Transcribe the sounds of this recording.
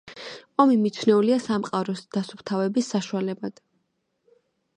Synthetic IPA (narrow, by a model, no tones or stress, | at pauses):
ɔmimit̪t͡ʃʰnɛuliasamqʼaɾɔsd̪̥asupt̪ʰavɛbisːaʃualɛbad̪̥